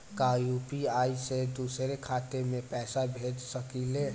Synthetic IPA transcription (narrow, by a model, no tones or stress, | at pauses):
kajupiaised̪usɾekʰaːt̪emẽpɛːsabʱed͡ʒsəkile